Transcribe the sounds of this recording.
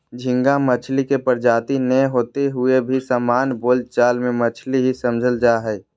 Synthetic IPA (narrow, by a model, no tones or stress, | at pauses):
d͡ʒʱɪ̃ŋɡamət͡ʃʰlikepəɾd͡ʒaːt̪inɛɦoːt̪eɦʊebʱisaːmaːnboːlt͡ʃaːlmẽmət͡ʃʰliɦisəmd͡ʒʱəld͡ʒaːɦɛː